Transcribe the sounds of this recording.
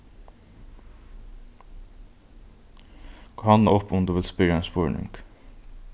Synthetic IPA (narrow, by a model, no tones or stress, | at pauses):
kʰːhɑnɔpʰʊmd̪ʉːʋɪlspʏɾəenspoɹɳɪ̰ŋk